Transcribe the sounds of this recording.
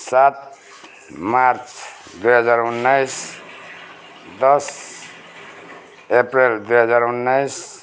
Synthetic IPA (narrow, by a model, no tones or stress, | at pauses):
sat̪̚ | maɾt͡sʰ | d̪ujɦʌd͡zaɾunːajs | d̪ʌs | epɾeld̪ujɦʌd͡zaɾunːajs